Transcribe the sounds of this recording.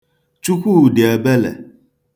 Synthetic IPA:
t͡ʃu˦kʷu˦u˨dɪ˨a˨bɛ˦lɛ̰˨

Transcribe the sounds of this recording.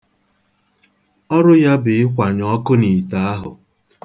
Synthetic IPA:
ɔ˦ɾʊ˦ja˦bɪ˨ɪ˦kʷa˨ɲɔɔ˦kʊ˦ni˨ta˦a˦ɦʊ̰˨

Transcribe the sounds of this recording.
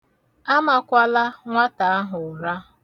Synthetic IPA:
a˦ma˨kʷa˦la˦ŋʷa˦ta˨a˦ɦʊ˨ɾa˦

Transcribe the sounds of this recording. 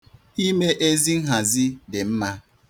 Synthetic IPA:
i˦me˦ʔe˦zi˦ŋ̩˦ɦa˨zi˦de˨m̩˦ma˦

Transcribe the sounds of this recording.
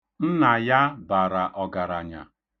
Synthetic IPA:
n̩˦na˨ja˦ba˨ɾa˨ʔɔ˨ɡa˨ɾa˨ɲa̰˨

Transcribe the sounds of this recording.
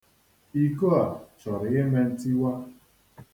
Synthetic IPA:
i˦ko˦a˨t͡ʃɔ˨ɾɪ˨ɣɪ˦me˦n̩˦ti˦wa˦

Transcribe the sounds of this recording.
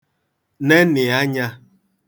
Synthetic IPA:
ne˦nɪ˨a˦ɲa˦

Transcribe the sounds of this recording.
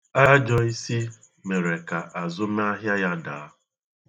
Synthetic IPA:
a˦d͡ʒɔ˨i˦si˦ | me˨ɾe˨ka˨ʔa˨zʊ˦m˦a˦ɦja˦ja˦daː˨˦

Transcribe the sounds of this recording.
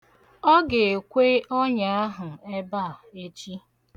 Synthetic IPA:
ɔ˦ɡe˨kʷe˦ɔ˦ɲa˨a˦ɦʊ˨e˦ba˦˨e˦t͡ʃi˦

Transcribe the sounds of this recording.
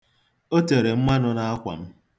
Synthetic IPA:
o˦te˨ɾe˨m̩˦ma˦nʊ˦na˦a˦kʷa̰˨m̩˦

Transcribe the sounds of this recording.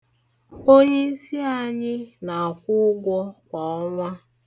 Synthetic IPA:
o˦ɲe˦si˦a˦ɲɪ˦na˨a˨kʷʊ˦ɡʷɔ˦kʷa˨ɔ˦ŋʷa˦

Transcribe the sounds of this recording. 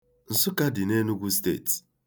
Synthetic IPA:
n̩˨sʊ˦ka˦dɪ˨ne˦nu˦ɡʷu˦stḛ˦˨t

